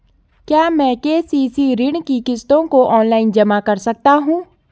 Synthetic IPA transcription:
kjaːmɛ̃ːkeːsiːsiɾɪɳkikɪst̪õkoʔɔːnlaːɪnd͡ʒɐmakɐɾsɐk̚t̪aɦũː

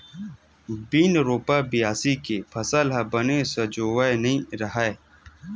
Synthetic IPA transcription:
biːnɾoːpabijaːsikepʰɐsəlɦɐbənesɐd͡ʒoːwaenəĩɾɐɦae

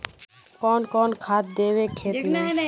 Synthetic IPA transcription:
kɔːnkɔːnkʰaːt̪̚d̪eːʋeːkʰeːt̪m

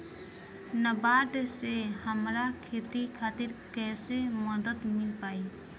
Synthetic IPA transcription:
nəbaːɖsehəmɾakʰeːt̪ikʰaːt̪ɪɾkɛːseməd̪ət̪mɪlpaːiː

